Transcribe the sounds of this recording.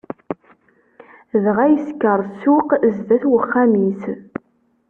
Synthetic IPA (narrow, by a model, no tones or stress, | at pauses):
ðʁæjəskːəɾˤsuqzdæθwəχːæmis